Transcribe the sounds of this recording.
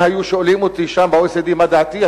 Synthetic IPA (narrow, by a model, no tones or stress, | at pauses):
hajuʃolimot̪iʃambaojsed̪imad̪aːt̪ia